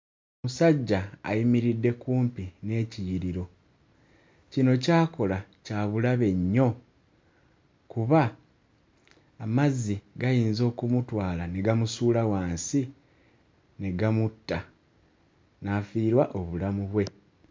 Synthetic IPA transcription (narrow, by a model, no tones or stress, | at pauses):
omusaɟːa̰ːjimiɾidːe̞kuːmpine̞ːcijiɾiɾo̞ | cino̞caːko̞lacaːβulaβe̞ɲːo̞ | kuβa | mazːiɡajiːnzo̞ːkumutwaːlane̞ɡamusuːlawaːnsi | ne̞ɡamutːa | naːfiːɾwaʔoβulamuβwe̞